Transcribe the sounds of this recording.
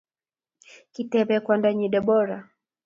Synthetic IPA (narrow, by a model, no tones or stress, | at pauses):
kitɛβɛkwandaɲiɗɛɓɔɾa